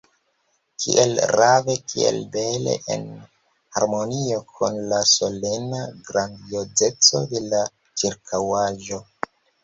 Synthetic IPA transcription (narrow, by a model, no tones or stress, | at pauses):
kʰḭʔelɾavekʰḭe̞̰lbelḛʔḛn | ha̰ɾmo̞nio̞kʰunlaso̞le̞naɡɾand̪ioze̞t͡so̞̰d̪e̞la | t͡ʃiɾkʰawaʒo̞